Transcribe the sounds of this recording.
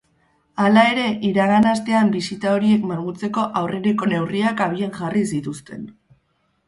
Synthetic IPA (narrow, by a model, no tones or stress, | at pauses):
alae̞ɾe̞ʔiɾaɣanast̪e̞ambisit̪ao̞ɾie̞kmaŋɣut͡se̞ko̞ʔawreɾeko̞ne̞wriakaβ̞ie̞ŋʝaris̬it̪ust̪e̞̰n